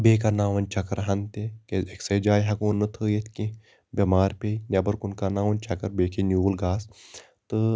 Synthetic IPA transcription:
beːk̬anaːʋɐnʲt͡ʃɐkɐɾɦɐnt̪ekeeksɐjd͡ʒaːjɦɐkuːnːɨt̪ʰəːjet̪ʰʲkĩ | bʲɐmaːɾpʲenʲɐbɐɾkunkanaːʋɐnʲt͡ʃʰɐkɐɾbeːkʰenʲuːlɡaːs | t̪ɨ

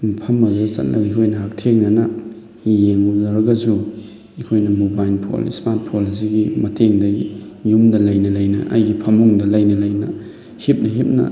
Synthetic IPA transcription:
pʰɐmːɐzat͡ʃɐ̰t̚lʔɐ̰ɡikʰojnɐɦak̚tʰeŋnɐnɐ | jeŋbuzɐɾɐɡɐsu | ekʰojnɐmubajlpʰo̰lḭsmat̚pʰolis̬iɡimɐteŋdɐi | jumdɐlajnɐlajnɐ̰ʔa̰jɡipʰɐmuŋdɐlajnɐlajnɐ̰ | hip̚nɐɦip̚nɐ̰

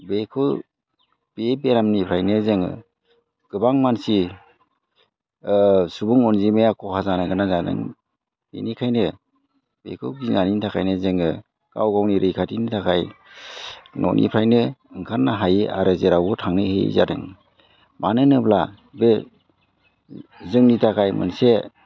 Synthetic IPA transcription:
bekʰɯw | b̥ebeɾamnipʰɾajnɯzeŋɯ̰ | ɡ̥ɯbaŋmansi | subuŋɔnzimejakʰɔhʰazanaɡanazadɯ̰ŋ | bḛnikʰajnɯ | b̥ḛkʰɯɡinanintʰakʰajnɯzeŋɯ | ɡ̥a̰wɡawniɾʔɯjkʰatinitʰakʰaj | nʔɔ̰nʔḭpʰɾajnɯɯŋkʰaɾnaɦaja̰ɾɯzeɾawbɯtʰaŋnɯhḛza̰ɾɯ̰ŋ | manɯnɯbla | be | zɯŋnitʰakʰajmɯ̰nse

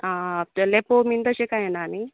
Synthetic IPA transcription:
alepomind̪əʃekajenaːni

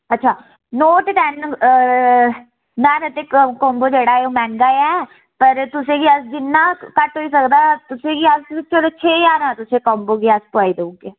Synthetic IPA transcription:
ətːʃʰaː | noːʈʈɛːn | naːɾət̪eːkɔ̃ːmboːd͡ʒeːɽaːoːmɛ̃ːŋɡaːjɛː | pəɾt̪ʊsẽːɡiːəsd͡ʒɪnːãːkəʈɦoːiːsəkd̪aːt̪ʊsẽːɡiːəst͡ʃʰoɽeːt͡ʃʰeːjaːɾãːt̪ʊsẽːkɔ̃ːmboːɡiːəspʊaːiːd̪əũːɡeː

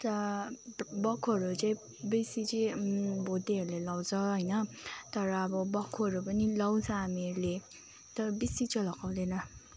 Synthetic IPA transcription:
t̪ʌ | bʌkʰːoʌɾut͡sʌĩ | bisit͡sʌ̃bʱod̪iɦʌɾulelʌwt͡sʰʌɦʌjnʌt̪ʌɾʌːbʌbʌkʰːoʌɾupʌnilʌwt͡sʰʌameɾle | t̪ʌbisit͡sʌlʌkawd̪enʌ

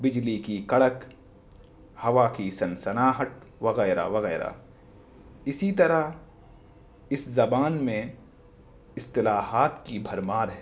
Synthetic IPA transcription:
bɪd͡ʒlikikɐɽək | hɐʋaːkisɐnsɐnaːɦəʈʋɐɣɛːɾa̰ʋɐɣɛːɾa̰ | ɪsit̪ɐɾa | ɪszɐbaːnmẽ | ɪst̪ɪlaːɦaːt̪kibʱɐɾmaːɾɦɛ

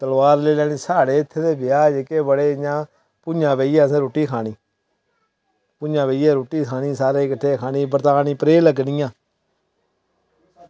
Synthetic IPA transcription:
t̪əlʋaːɾleːlɛːniːsaːɽeːɪt̪ʰːeːd̪eːbɪjaːd͡ʒekeːbəɽeːjãː | pʊãːbeiːaːsẽːɾoːʈiːkʰaːniː | pʊd͡ʒãːbeiːaːɾoːʈiːkʰaːniːsaːɾeːkəʈʰːeːkʰaːniːbəɾt̪aːniːpəɾeːləɡniːãː

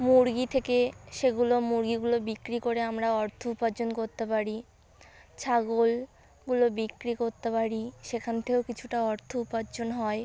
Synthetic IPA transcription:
muɾɡit̪ʰekeʃeɡulomuɾɡiɡulobikɾikoɾeamɾaɔɾt̪ʰoupad͡ʑonkoɾt̪epaɾi | t͡ɕʰaɡol | ɡulobikɾikoɾt̪epaɾiʃekʰant̪ʰekewkit͡ɕʰuʈaɔɾt̪ʰoupad͡ʑonɦɔe

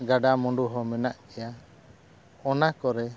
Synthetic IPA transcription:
ɡaɖamɔɳɖuɦɔmɛnaʔkɛja | ɔnakɔɾɛ

